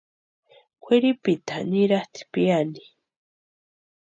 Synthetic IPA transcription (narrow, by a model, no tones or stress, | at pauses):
kʷeɾipit̪aniɾat̪ʰi̥piandi̥